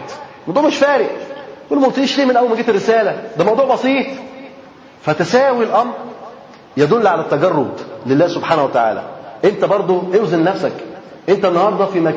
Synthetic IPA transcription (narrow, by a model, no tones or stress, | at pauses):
lmɑwd̪ˤuːʕmeʃfæːɾɪʔwulmolt̪eiːʃliːmenʔæwːælmæɡeːt̪erːesæːlæd̪æmɑwd̪ˤuːʕbɑsiːt̪ˤ | fæt̪æsæːwilʔɑmɾ | jæd̪olːiʕalæt̪ːæɡɑrˤːod̪lelːæːhsobħaːnæhwæt̪aʕa̰ːlæ̰ʔent̪æbɑɾˤd̪ˤoʔewzennæfsæk | ʔent̪ænːɑhɑɾˤd̪ˤɑfimæ